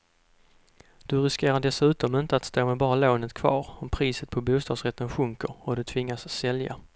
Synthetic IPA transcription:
d̪̥ɵɾɪskeːɾaɖɛsʉ̟ːt̪ɔmɪnt̪əat̪st̪oːmɛbɑːɾaloːnət̪kʰv̥ɑ̰ːɾɔmpʰɾiːsət̪̚pʰɔbuːst̪ɑːd̪sɾɛt̪ʰːənɧɵŋkəɾɔd̪ɵt̪ʰvɪŋːasːɛlja̰

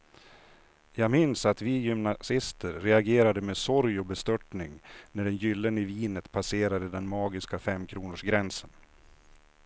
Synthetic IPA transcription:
jɑːɡmɪnsat̪vɪjʏmnasɪst̪əɾːɛaɡeːɾad̪əmeːsɔɾjɔbɛst̪œʈɳɪŋnæɖɛnjʏlːənɪviːnət̪pʰaseːɾad̪əd̪ɛnmɑːɡɪskafɛmːkʰɾuːnʊʂɡɾɛnsən

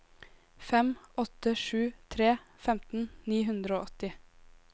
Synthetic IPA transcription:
fɛmʔɔt̪əʃʉːt̪ʰɾeːfɛmt̪n̩niːɦʉnd̪ɾəoːɔt̪ɪ

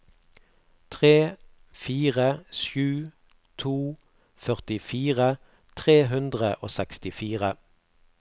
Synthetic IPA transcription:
t̪ʰʁeː | fiːʁəʃjʉː | t̪ʰuː | fœʁt̪ɪfiːʁə | t̪ʰʁeːɦʉnd̪ʁəʔoːsɛkst̪ɪfiːʁə

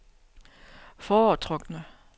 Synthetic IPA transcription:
fɒːt͡sʰʁɔɡ̥nə

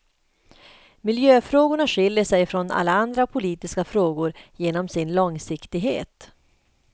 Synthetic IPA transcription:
mɪljøːfɾoːɡʊɳaɧɪljəʂɛjfɾɔnʔa̰lːaand̪ɾapʰʊliːt̪ɪskafɾoːɡʊɾjeːnɔmsɪnlɔŋsɪkt̪ɪɡɦḛːt̪

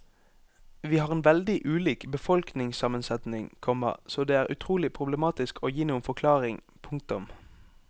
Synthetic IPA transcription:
ʋiːhɑːʁɛːnʋɛld̪ɪʔʉːliːkbəfɔlknɪŋsɑmənsɛt̪nɪŋkʰɔmə̰soːd̪eːæːʁʔʉ̰t̪ʰʁuːlɪpʰʁʊbləmɑːt̪ɪskʰoːjiːnuːənfɔʁkʰlɑːʁɪŋ | pʰʊŋk̚t̪ʊm

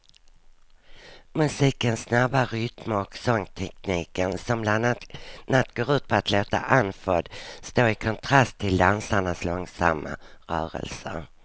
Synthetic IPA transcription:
mɵsiːkənsːnabːaɾʏt̪məɔksɔŋːt̪ʰɛkniːkənsɔmblannːat̪ːɡoːɾʉ̟ːt̪̚pʰɔat̪ʰloːt̪a̰ʔanfɔd̪st̪oːɾɪkʰɔnt̪ʰɾast̪ʰːɪld̪ansaɳaslɔŋsa̰mːa̰ɾœːɾə̰lsə̰ɾ

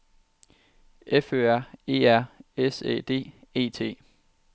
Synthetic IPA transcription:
eføːæɐ̰e̝̰ːæɐ̰esḛːd̥e̝̰ːe̝̰ːt͡sʰe̝̰ː

